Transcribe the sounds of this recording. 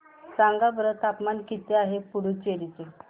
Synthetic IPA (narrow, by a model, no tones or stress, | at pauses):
saŋɡabəɾət̪apmankit̪eaɦepuɽut͡ɕeɾit͡se